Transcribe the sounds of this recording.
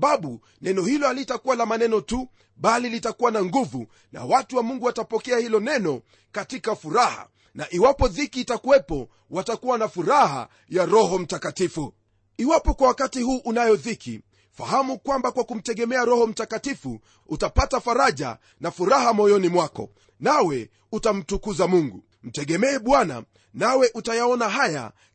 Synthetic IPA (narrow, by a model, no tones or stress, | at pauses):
ɓaɓu | nɛnɔhilɔhalitakuwalamanɛnɔtu | ɓalilitakuwanaŋɡuvṵ | na̰watuwamuŋɡuwatapɔkɛahilɔnɛnɔ | katikafuɾaha̰ | naʔiwapɔðikiːtakuwɛpɔ | watakuwanafuɾaha̰ | jaɾɔɦɔm̩takatifu | iwapɔkwawakatihuːʔunajɔðikʰḭ | fa̰hamukwambakwakum̩tɛɠɛmɛaɾɔhɔm̩takatifu | utapatafaɾaʄa̰ | nafuɾahamɔjɔnimwakɔ̰ | nawɛ | utam̩tukuzamuŋɡṵ | m̩tɛɠɛmɛːɓwana̰ | nawɛʔutajaɔnaɦaja̰